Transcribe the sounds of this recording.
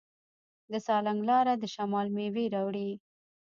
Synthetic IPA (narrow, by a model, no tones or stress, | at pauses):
d̪əsɑlaŋɡlɑɾad̪əʃamɑlmeweɾɑwɽi